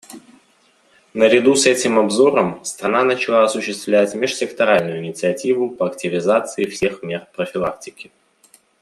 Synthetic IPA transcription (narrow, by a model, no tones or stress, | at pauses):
nəɾʲɪd̪usɛtʲɪmɐbzo̞ɾəmst̪ɾɐnanət͡ɕɪlˠaɐsʊɕːɪst̪vlʲætʲmʲɪʂsʲɪkt̪ɐɾalʲnʊjʊɪnʲɪt̪sɨɐtʲivʊpəɐktʲɪvʲɪzat̪sɨɪfsʲe̞xmʲe̞rpɾəfʲɪlˠak̚tʲɪkʲɪ